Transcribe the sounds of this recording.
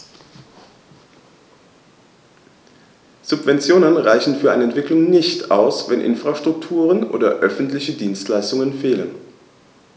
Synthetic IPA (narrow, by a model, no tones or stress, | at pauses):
z̥ʊpv̥ɛnt͡sjoːnənʁaɪçn̩fyːɐaɪnəɛntv̥ɪklʊŋnɪçta̰ʊsvɛnʔɪ̰nfʁ̥aʃtʁ̥ʊktʰuːʁənʔo̰ːdɐʔœfn̩tlɪçədiːnstlaɪstʊŋənfeːlən